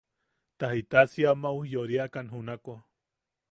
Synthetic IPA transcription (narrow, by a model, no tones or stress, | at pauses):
t̪ahit̪asiamawjoɾiakanɦunako